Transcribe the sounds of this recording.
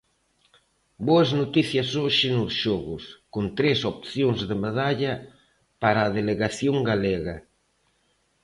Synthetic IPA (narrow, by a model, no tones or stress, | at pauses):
boɐznot̪iθjɐsoʃɪnʊsʃɔɣʊskont̪ɾesopθjoŋzðemaðaʎɐ | paɾaːðeleɣaθjoŋɡaleɣɐ